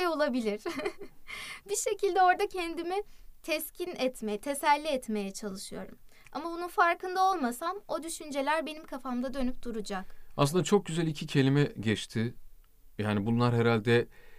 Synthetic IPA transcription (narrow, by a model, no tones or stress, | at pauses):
jo̞lˠabilʲiɾ̥ | biʃe̞cilʲd̪ɛo̞ɾd̪acʰɛnd̪imit̪ʰɛscʰinɛt̪met̪ʰesælʲːiɛt̪me̞jɛt͡ʃʰalˠɯʃɯjo̞̰ɾum | a̰mabununfaɾkɯnd̪ao̞lˠmasamo̞d̪yʃynd͡ʒe̞lʲæɾbe̞nimkʰafamd̪ad̪ø̞nyp̚d̪̥uɾud͡ʒakasɯnd̪at͡ʃʰo̞k̚ɟyzælʲicʰicʰe̞lʲimɛɟɛt͡ʃt̪ʰɪ | jaːnibunlˠaɾɦeɾalʲd̪ɛ